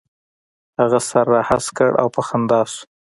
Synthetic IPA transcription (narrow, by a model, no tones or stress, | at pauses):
haɣasaɾːahaskə̰ɽʔa̰wpaxand̪ɑsu̥